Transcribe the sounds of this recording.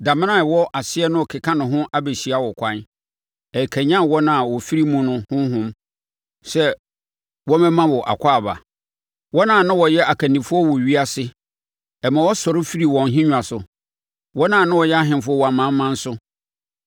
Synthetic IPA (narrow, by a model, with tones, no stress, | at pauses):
da˨mɪ̃˦nã˦˨wɔ˦ʔa˨sɪ˦ɛ˦nʊ̃˦ɔ˨kʰɪ˨kʰã˦nʊ̃˨ɦʊ̃˦ʔa˦be˨ɕi˨a˦wɔ˨kʷʰã˦n | ɛ˨kʰæ˨ɲã˦wɔ˦nã˨wɔ˨fi˦ɾi˦mũ˦nʊ̃˦hʊ̃˦ɦʊ̃˦m | sɛ˦ | wɔ˦mɛ̃˦mã˦wɔ˨ʔa̰˨kʷʰa˦a˨ba̰˨ | wɔ˦nãː˨nã˦wɔ˨jɛ˦a˨kʰa˨nĩ˨fʊ˦ɔ˦wɔ˨ɥi˦a˦sɪ˦ | ɛ˨mã˨wɔ˦sɔ˨ɾɪ˦fi˦ɾi˨wɔ̃˨nɦĩ˦ɲᶣ˨a˨sʊ˨ | wɔ˦nãː˦˨nã˦wɔ˨jɛ˦a˦ɦɪ̃˨m˨fʊ˦ɔ˦wɔ˨a˨mã˨˦m˦mã˦n̩˦sʊ˦